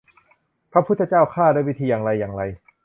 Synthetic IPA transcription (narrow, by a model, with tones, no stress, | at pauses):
pʰa˦˥pʰu˥t̪ʰːt͡ɕaː˥˩wkʰaː˥˩da˥˩˨wi˦˥t̪ʰiː˧jaː˨˩ŋɾa˧jːaː˨˩ŋɾa˧j